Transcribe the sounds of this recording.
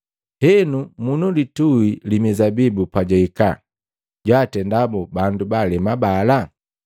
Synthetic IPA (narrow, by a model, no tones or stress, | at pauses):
hɛnumunulituilimizabibupaɟaika̰ | ɟwaːtɛndabubandubalɛmabala